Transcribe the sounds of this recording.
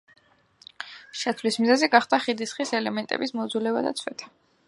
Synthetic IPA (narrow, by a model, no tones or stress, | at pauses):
ʃat̪ʰvlismizɛziɡaχd̪aχid̪isχisɛlɛmɛnt̪ʼɛ̰bismɔd̪zulɛba̰d̪a̰t̪sʰwɛ̰t̪ʰ